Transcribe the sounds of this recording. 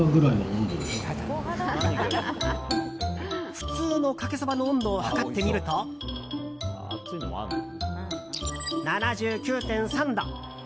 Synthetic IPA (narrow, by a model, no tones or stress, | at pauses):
oɡɯ̟ɾaimoõnd̪ed̪es | ɸɯ̟̥t͡sɨːno̞kake̞sobanõːnd̪oːhakat̪ːe̞mʲiɾɯ̟t̪o | nanaʑɨːkʲɨːt̪ẽ̞ɰ̃sãnd̪õ